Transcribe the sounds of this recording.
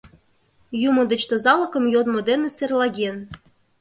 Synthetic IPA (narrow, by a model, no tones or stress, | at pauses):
jumod̪ə̆t͡ɕt̪ozɑlˠɤ̆kɤ̆mjod̪mod̪eneserlˠɑɣʲen